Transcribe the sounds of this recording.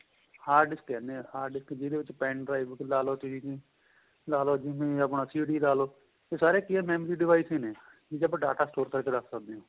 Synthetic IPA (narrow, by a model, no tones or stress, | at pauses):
haːɾɖɪsʈɛːnehaːɾɖɪskd͡ʒɪd̪eːʋɪt͡ʃpɛ̃ːɳɖɾaːɪʋklaːloːt̪iɖiːt͡ʃẽː | laːloːd͡ʒɪmẽːəpɳaːsiːɖiːlaːloː | t̪eːsaːɾeːkɪɛːmɛːmːɾiːɖɪʋaːisĩːneː | d͡ʒid͡ʒəbɖaːʈaːsʈoːɾkəɾkeːd̪əkʰsəkd̪eːõː